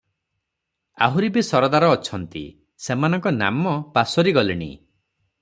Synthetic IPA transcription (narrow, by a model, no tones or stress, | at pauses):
a̰ɦuɾibesɔɾɔd̪aɾɔːt͡ʃʰɔnt̪ḭ | semanɔŋkɔna̰mɔpasɔɾiɡɔliɽ̃ḭ